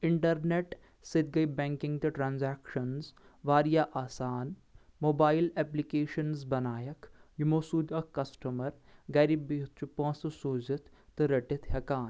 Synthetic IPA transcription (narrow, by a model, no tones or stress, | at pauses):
ɪɳʈɐɾneːʈ | sɪt̪̚ɡɐibɛ̃ːŋkɪ̃ŋɡt̪ɐʈɾãːnzɛːkʃɐnzʋaːɾijaːʔaːsaːn | moːbaːɪlɛːplikeːʃənzbɐnaːjɐkjumoːsuːd̪ɐkɐsʈɐmɐɾ | ɡɐːɾibit̪t͡ʃupõːssoːzɪt̪ʰ | t̪ɾɐʈɪt̪ʰɦɐkaːn